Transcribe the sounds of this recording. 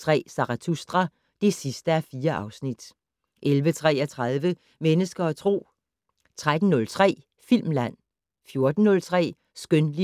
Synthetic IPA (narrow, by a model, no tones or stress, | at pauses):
t͡sʰʁɛ̰ːsɑ̈ʁɑt͡sʰusd̥ʁɐ | d̥e̝sisd̥əæfiːɐʔɑ̈ʊsnid̥ | ʔelʋət͡sʰʁɛ̰ːæt͡sʰʁað̞ˠʋə | menəsɡ̥ɐɒt͡sʰʁo̝̰ː | t͡sʰʁad̥n̩nɔ̽lt͡sʰʁɛ̰ː | fil̰mlæn̰ | fjo̝ɐd̥n̩nɔ̽lt͡sʰʁɛ̰ː | sɡ̥ønli